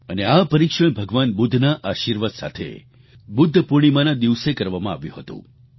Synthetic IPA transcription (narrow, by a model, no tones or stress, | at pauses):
əneapəɾikʃəɳbʱəɡʋanbʊd̪ʱːnaʔaʃiɾʋat̪sa̰t̪ʰḛ | bʊd̪ʱːpuɽ̃imãnad̪iʋsekəɾʋamãaʋjṵ̃ɦət̪ṵ̃